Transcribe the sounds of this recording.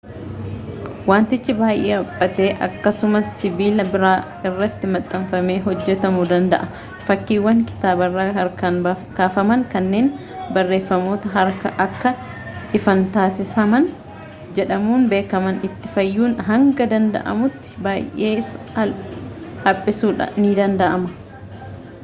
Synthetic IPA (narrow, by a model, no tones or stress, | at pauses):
waːnt̪ɪt͡ʃːɪbaːjʔeːɐpʼːɐt̪e̞ːʔɐkːɐsʊmɐsːɪbiːlɐbɪɾaː | ɪrːɐt̪ːɪmɐt̪ʼːɐɱfɐme̞ːɦɔd͡ʒːɛt̪ɐmʊd̪ɐnd̪ɐ̰ʔɐ | fɐkːiːwːɐŋkɪ̥t̪aːbɐrːaːhɐɾkɐnb | kaːfɐmɐŋkɐnːe̞ːn | bɐrːe̞ːfːɐmo̞ːt̪ɐɦɐɾkɐʔɐkːɐ | ɪfɐnt̪aːsɪsɐmɐn | d͡ʒɛᶑɐmuːnbe̞ːkɐmɐnɪt̪ːɪfɐjːuːnɦɐŋɡɐd̪ɐnd̪ɐ̰ʔɐ̰mʊt̪ːɪ̥baːjʔe̞ː | ɐ | hɐpʼːɪsuːᶑɐ̰niːd̪ɐnd̪ɐʔɐmɐ